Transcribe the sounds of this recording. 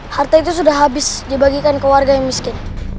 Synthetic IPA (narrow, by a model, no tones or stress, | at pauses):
hart̪ait̪̬us̬udahɦabɪsdibaɡikankəwarɡajaŋmiskɪn